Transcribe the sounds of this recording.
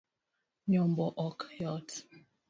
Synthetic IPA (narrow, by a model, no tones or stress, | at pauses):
ɲɔmbɔʔɔkjɔt